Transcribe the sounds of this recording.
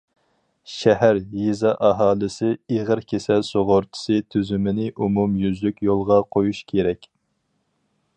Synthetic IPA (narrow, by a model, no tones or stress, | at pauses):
ʃɛɦæɾjizɑʔɑɦɑːlˠɨsɪeʁəɾkʲʰesɛsoʁoɾt̪ʰɪ̥sɨt̪ʰyzymɪnɪʔumumjyzlykʲjolˠʁɑqʰojuʃkʲʰeɾɛkʲ